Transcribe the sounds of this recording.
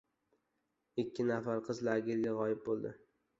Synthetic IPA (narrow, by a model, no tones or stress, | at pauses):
ɪkʲʰːɪnafaɾqʰɨzlaɡʲɪlɡʲaʁɒjɪp̚bolˠd̪ɪ̰